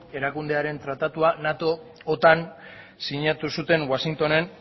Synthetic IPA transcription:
e̞ɾakund̪e̞aɾe̞nt̪ɾat̪at̪uanat̪o̞ː | t̪an | siɲat̪usut̪e̞nwasiŋt̪o̞ne̞n

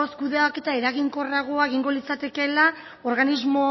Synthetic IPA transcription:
oskuðeake̞t̪ae̞ɾaɣiŋko̞raɣ̞oaeɣ̞iŋɡo̞lit͡sat̪e̞ke̞la | o̞ɾɣanizmo̞

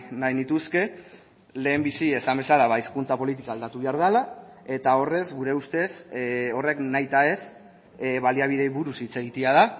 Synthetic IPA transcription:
najnit̪uske̞ | le̞ːmbisie̞sambe̞salaβaiskunt͡sapo̞lit̪̬ikaːld̪at̪uβeaɾð̞alae̞t̪ao̞re̞zɣuɾe̞ust̪e̞so̞re̞knajt̪ae̞s | βaliaβ̞ið̞e̞βuɾusit͡se̞ɣ̞it̪eað̞a

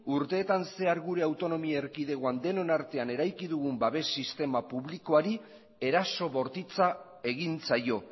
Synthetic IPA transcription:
uɾt̪e̞ːt̪anse̞aɾɣuɾe̞awt̪o̞no̞miaeɾkið̞e̞ɣoand̪e̞no̞naɾt̪e̞ane̞ɾajkiðuɣ̞umbaβe̞sːist̪e̞mapuβliko̞aɾi | e̞ɾaso̞βo̞ɾt̪it͡sa | e̞ɣint͡sajo̞

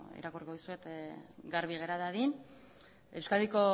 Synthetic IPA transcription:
ḭɾakorikoðusue̞t̪ɡaɾβiɣe̞ɾaðaðin | ewskald̪iko̞

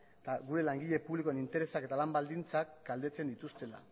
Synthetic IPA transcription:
t̪aɣuɾe̞laŋɡiʎe̞puβlikoenint̪e̞ɾe̞sake̞t̪alambald̪int͡sakɡald̪e̞t͡se̞nd̪it̪ust̪e̞la̰

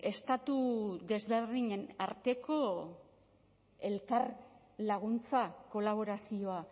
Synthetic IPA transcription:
e̞st̪at̪uðe̞zβe̞rðiɲe̞na̰ɾt̪e̞ko̞ | e̞lkar | laɣunt͡sako̞laβ̞o̞ɾasio̞a

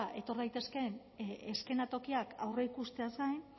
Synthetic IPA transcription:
ʔe̞t̪o̞ɾðajt̪e̞ske̞n | eske̞nat̪o̞kiaka̰wre̞ikust̪e̞asajn

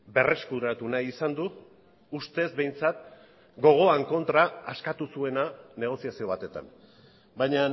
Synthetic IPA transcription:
be̞re̞skuɾat̪unajisand̪uː | st̪e̞zbe̞jnt͡sat̪ | ɡo̞ɣ̞o̞aŋko̞nt̪ɾaːskat̪usue̞nane̞ɣ̞o̞siasio̞β̞at̪e̞t̪a̰n | bajɲa

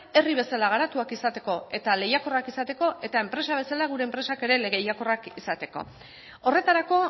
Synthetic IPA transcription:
e̞riβ̞e̞salaɣ̞aɾat̪uakisat̪e̞ko̞e̞t̪ale̞jako̞rakisat̪e̞ko̞ʔe̞t̪ae̞mpɾe̞saβ̞e̞salaɣ̞uɾe̞ːmpɾe̞sake̞ɾe̞leɣejako̞rakisat̪e̞ko̞̰ | o̞re̞t̪aɾako̞

